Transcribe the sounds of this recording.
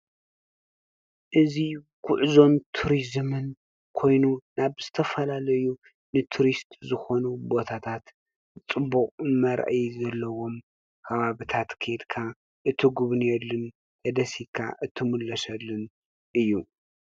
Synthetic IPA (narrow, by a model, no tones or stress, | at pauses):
ʔɨzi | kʰʊʕzo̞nt̪ʰuɾizmɨn | kʰo̞jnunaβz̥ɨt̪ʰɐfɐlalɐju | nɨt̪ʰuɾist̪ʼzɨxo̞nubo̞t̪ʰat̪ʰat̪ | t͡sʼɨbukʼmɐɾ̰ʔjzɐlːɐwo̞m | kʰɐβaβɨt̪ʰat̪kʰed̪kʰa | ʔɨt̪ʰɨɡuβnjɛlːɨn | hɐd̪ɐsikʰa̰ʔɨt̪ʰːɨmɨlːɐsɐlːɨn | ʔɨjːu